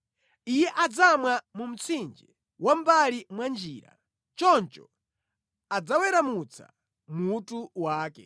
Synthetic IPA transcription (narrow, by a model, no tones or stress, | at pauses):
ijɛʔad͡zamwamum̩t͡sʰind͡ʒɛ | wam̩balimwand͡ʒiːɾa̰ | t͡ʃɔnt͡ʃɔ | ad͡zawɛɾamut͡sʰa̰ | mutuwaːkɛ̰